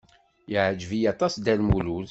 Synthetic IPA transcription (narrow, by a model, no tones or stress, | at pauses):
jəʕd͡ʒvijɑt̪ˤɑsd̪ælmulul